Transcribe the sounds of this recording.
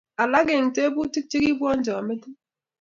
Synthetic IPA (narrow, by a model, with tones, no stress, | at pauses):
a˨la˦ɡe˨ŋ̩˨te˦bu˦ti˦k̚ti˦ki˦bʷɔ˦n̩˦d͡ʒɔ˨a˨me˦di˦